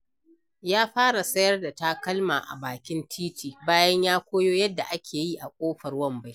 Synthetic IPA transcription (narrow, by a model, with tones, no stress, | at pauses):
jaː˦ɸaː˦ɽa˨sɐ˦jɐ˦rda˨taː˦kɐ˦lma̰ː˨ʔa̰˨baː˨kʲɪ˦ntʰiː˦tiː˨baː˦jɐ˦ɲjaː˦kʷoː˦joː˦jɐ˦dːa˨ʔa˦kʲʰeː˨ji˦ʔa˨kʷʼoː˦ɸɐ˨rwɐ˦mba˦j